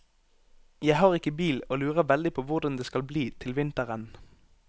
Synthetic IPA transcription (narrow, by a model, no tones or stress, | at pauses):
jæɪhɑːʁɪkəbiːloːlʉːʁəʋɛld̪ɪpʰoːʋʊʁd̪ɑnd̪eːskɑlbliːt̪ʰɪlʋɪnt̪əʁən